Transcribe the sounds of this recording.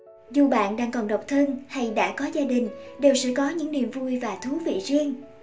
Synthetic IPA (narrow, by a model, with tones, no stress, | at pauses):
zu˨˩ɓa̰ː˧˨nɗaː˧ŋkɔ˨˩nɗə˨˩wk͡p̚t̪ʰə˧nha˧jɗa̰ː˧˥kɔ˨˦zaː˧ɗï˨˩ŋ̟ɗe˨˩wsɨ̰˧˥kɔ˨˦ɲɨ̰˧˥ŋnḭ˧˨əmvu˧jvaː˨˩t̪ʰu˨˦vḭ˧˨zi˧əŋ